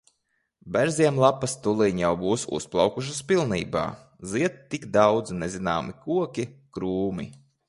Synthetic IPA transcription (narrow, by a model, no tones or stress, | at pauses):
bæɾziɛmlˠapːast̪ulˠiɲjawbuːsṵsplˠawkuʃ̬aspilˠnḭːba̰ː | ziɛt̪t̪ːiɡd̪awd̪znezina̰ːmikuɔkʲikɾuːmḭ